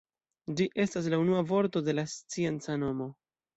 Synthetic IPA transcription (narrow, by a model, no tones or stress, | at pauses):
d͡ʒiʔe̞stas̬launuavo̞ɾto̞de̞last͡sie̞nt͡sano̞mo̞